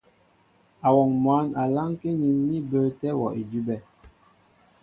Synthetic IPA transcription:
a˨wɔ˨ŋmwa˨˦na˨la˦ŋke˦ɲi˨˦nːi˦bə˦tɛ˦wɔ˨ʔi˨d͡ʒu˦bɛ˦˨

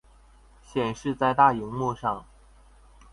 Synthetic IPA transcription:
ɕjɛ˨˩nʂɻ̩˥˧t͡sa˥˧ɪt̪a˥˩i˧˥ŋmu˥˧ʂɑ˥˩ŋ

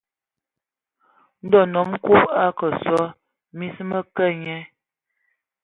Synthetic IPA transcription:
n̩˦dɔ˦˨nɔ˨˦m˦ku˦pa˦kə˨sɔ˦ | mi˦smə˦kə˦˨ɲɛ˦

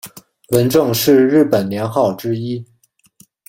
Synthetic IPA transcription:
wə˧˥nʈ͡ʂɤ˥˧ŋʂɻ̩˥˧ɻɻ̩˥˩pə˨˩nnjɛ˧˥nxɑ˥˩ʊʈ͡ʂɻ̩˥i˥

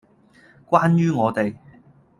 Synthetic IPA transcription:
kwaː˥njyː˥ŋɔː˨˧t̪e˨j

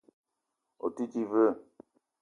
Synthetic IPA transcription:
o̰˨ti˦ti˦və˦˨

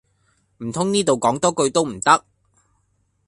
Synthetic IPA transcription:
m̩˨˩t̪ʰʊ˥ŋniː˥t̪o˨wkɔː˨˥ŋt̪ɔː˥kɵ˧ɥt̪o˥wm̩˨˩t̪ɐ˥k̚

